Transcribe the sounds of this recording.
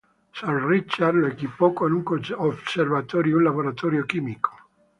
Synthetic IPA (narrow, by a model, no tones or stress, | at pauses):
sanrit͡ʃːarloekipɔkonuŋkooservat̪ɔːɾjunlaβoɾat̪ɔːɾjokiːmikʰo̥